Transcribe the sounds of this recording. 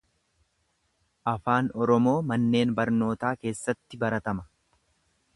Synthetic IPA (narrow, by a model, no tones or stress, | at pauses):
ʔɐfaːnɔɾɔmo̞ːmɐnːe̞ːnbɐɾno̞ːt̪aːke̞ːsːɐt̪ːɪbɐɾɐt̪ɐmɐ